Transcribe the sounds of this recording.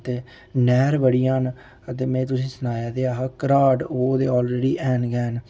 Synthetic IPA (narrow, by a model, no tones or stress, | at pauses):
t̪eː | nɛːɾbəɽijãːn | ət̪eːmɛ̃ːt̪̬ʊsĩːsənaːjaːd̪eaːɦaːkəɾaːɖoːd̪eːɔːlɾeːɖiːʔɛːnɡɛːn